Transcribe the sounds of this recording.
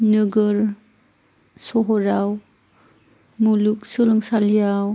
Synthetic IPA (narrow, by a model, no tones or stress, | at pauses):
nɯɡɯɾ | sɔɦɔɾaw | muluk̚sɯlɯŋsaljaw